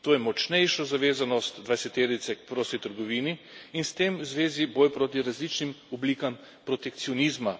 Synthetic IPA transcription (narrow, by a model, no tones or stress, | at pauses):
t̪oːjɛmɔt͡ʃnɛjʃɔzaʋeːzanɔst̪d̪ʋajsɛt̪ed̪nisɛkpɾoːsit̪əɾɡɔʋiːni | inst̪emwzʋeːziboːjpɾoːt̪̬iɾazlit͡ʃnimɔbliːkam | pɾot̪ɛk̚t̪siɔnizma